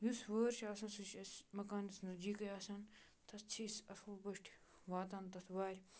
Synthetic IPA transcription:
jusʋəːɾʃʰaːsɐ̃nsɨt͡ʃʰɐsmɐkaːnɐsnɐd͡ʒiːkɐjaːsɐn | t̪ʰɐst͡sʰisɐfʰubɐʂʈʰ | ʋaːt̪ɐnt̪ɐt̪ʰʋaːɾʲ

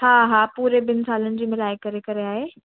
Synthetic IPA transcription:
haːɦaːpuːɾebɪnɪ̆saːlənɪ̆d͡ʑiːmɪlaːikɐɾekɐɾeaːɦeː

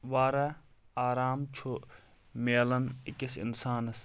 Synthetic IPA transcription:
ʋaːɾɐaːɾaːmt͡ʃʰu | meːlɐnikisḭnsaːnɐs

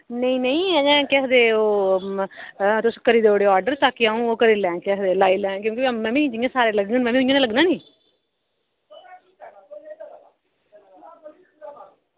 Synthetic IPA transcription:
nəĩːnəĩːɛːd͡ʒɛ̃ːkɛkd̪eːoː | t̪ʊskəɾiːd̪eːoːɽeːɔːɾɖəɾt̪aːkiaːũːoːkəɾiːlɛ̃ːkɛɦd̪eːlaːiːlɛ̃ːkjõːkimɛ̃ːmĩːd͡ʒɪjãːsaːɾeːləɡnə̃ːnmɛ̃ːmĩːʊãːnẽːləɡnãːnĩː

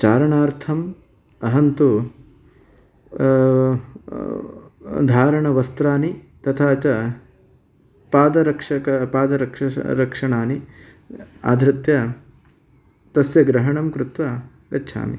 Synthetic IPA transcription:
t͡ʃaːɾɐɳaːɾt̪ʰɐm | ɐɦɐnt̪u | d̪ʱaːɾɐɳɐʋɐst̪ɾaːni | t̪ɐt̪ʰaːt͡ʃɐ | paːd̪ɐɾɐkʂɐkɐpaːd̪ɐɾɐkʂɐɾɐkʂɐɳaːni | a̰ːd̪ʱɾɐt̪jɐ | t̪ɐsjɐɡɾɐɦɐɳɐmkɾut̪ʋɐ | ɡɐtːʃʰa̰ːmḭ

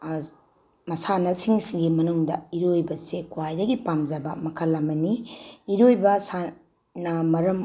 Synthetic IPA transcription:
mɐsanɐsiŋsiŋɡimɐnuŋdɐiɾojbɐsekwajdɐɡipamd͡ʒɐbɐmɐkʰɐlːɐmɐniiɾojbɐsa | nɐmɐɾɐm

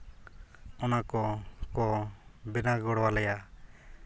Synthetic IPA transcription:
ɔnakɔkɔbɛnaɡɔɽwalɛja

